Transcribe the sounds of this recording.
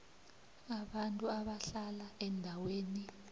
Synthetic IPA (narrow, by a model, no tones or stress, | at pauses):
aɓantʼuaɓaɬalaɛndʱaweːni